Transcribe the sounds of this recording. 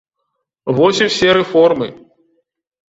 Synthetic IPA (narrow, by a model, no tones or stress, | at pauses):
vɔsʲiwsʲɛɾɛfɔrmɨ̰